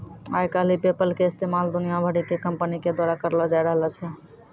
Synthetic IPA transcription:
ajkalipepəlkeɪst̪emald̪unijabʱəɽikekəmpəniked̪waɾakəɾlɔd͡ʒajɾəɦəlɔt͡ʃʰɛ

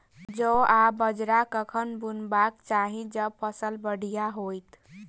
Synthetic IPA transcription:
d͡ʒəabəd͡ʒɾakəkʰənbunbakt͡ʃaɦĩd͡ʒəbpʰəsəlbəɽ̤ijaɦojt̪

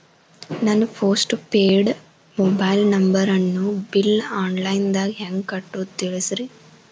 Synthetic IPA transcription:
nɐnːupʰoːsʈpeːɖ | mɔbɐjlnɐmbɐɾɐnːubilaːnlɐjnd̪aːɡiɦeŋɡkɐʈːut̪iɭisɾi

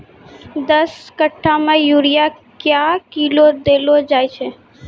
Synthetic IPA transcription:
d̪əskəʈʰːamẽjuɾija | kjakilod̪eːlod͡ʒaːjt͡ʃʰe

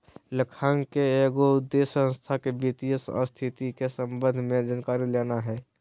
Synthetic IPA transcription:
ləkʰaŋkeːɡoud̪ːesə̃nst̪ʰakebit̪ijəsɔ̰ɾst̪ʰit̪ikesəmbə̃nd̪ʱmed͡ʒankaɾilenaɦɛː

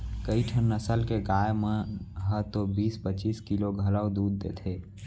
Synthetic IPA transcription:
kəiʈʰənːəsəlkeɡajmeɦət̪obiːspət͡ʃiskiloɡʱələwd̪ud̪ːḛt̪ʰe

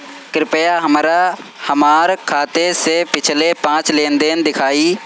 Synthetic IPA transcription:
kɾɪpəjaɦəmɾahəmaːɾkʰaːt̪esepɪt͡ʃʰlepãːt͡ʃleːnd̪eːnd̪ɪkʰaːiː

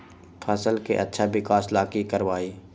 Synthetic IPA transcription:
pʰɐsəlkḛʔɐ̰tːʃʰabɪkaːslaːkikəɾʋaːiː

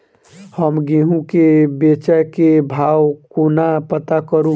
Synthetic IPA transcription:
həmɡeɦũkebet͡ʃakebʱawkunapət̪akəɾũ

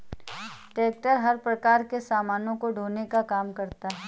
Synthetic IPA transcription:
ʈeːk̚ʈəɾɦɐɾpɾɐkaːɾkesaːmaːnõkoɖʱoːnekakaːmkɐɾt̪aɦɛː

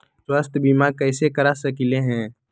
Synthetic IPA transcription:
swaːst̪ʰbimakɛːɪsekəɾasəkɪleɦɛ̃ː

